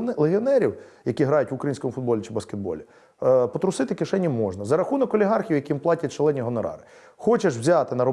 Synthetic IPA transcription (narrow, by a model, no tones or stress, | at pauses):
lˠeɦiɔnɛɾʲiwjɐkʲiɦɾɑjʊtʲʋʊkɾɐjinsʲkɔmʊfʊd̪̚bɔlʲit͡ʃɪbɐskʲed̪̚bɔ̰lʲi | pɔt̪ɾʊsɪt̪ɪkɪʃɛnʲːimɔʒnɐzɐɾɐxunɔkɔlʲiɦɑrxʲijwjɐkʲijimplˠɑtʲɐtʲt͡ʃelˠɛnʲiɦɔnɔɾɑ̰ɾɪ | xɔt͡ʃeʃwzʲɑt̪ɪnɐɾɔ